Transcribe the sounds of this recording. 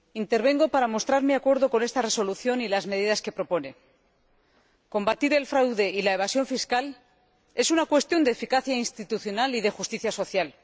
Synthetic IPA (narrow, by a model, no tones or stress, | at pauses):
int̪e̞ɾβ̞e̞ŋɡo̞paɾamo̞st̪ɾaɾmeakwe̞ɾðo̞ko̞ne̞st̪are̞so̞luθjo̞nilazmeð̞iðaske̞pɾo̞po̞ne̞ | ko̞mbat̪iɾe̞lfɾawðe̞ʔilaeβ̞asjo̞ɱfiskal | e̞sunakwe̞st̪jond̪eːfikaθjainst̪it̪uθjo̞naliðe̞xust̪iθjaso̞θjal